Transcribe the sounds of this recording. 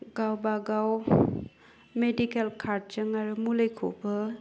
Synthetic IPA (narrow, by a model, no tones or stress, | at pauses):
ɡawbaɡaw | medikelkʰaɾd̚t͡ʃɯŋaɾumulejkʰo̰bɯ